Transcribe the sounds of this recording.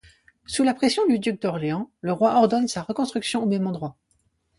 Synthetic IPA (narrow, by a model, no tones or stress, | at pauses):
sulapχɛsjɔ̃d̪yd̪yk̚d̪ɔʁleɑ̃ləʁwaʔɔʁd̪ɔnsaʁəkɔ̃st̪χyksjɔ̃omɛmɑ̃d̪ʁwa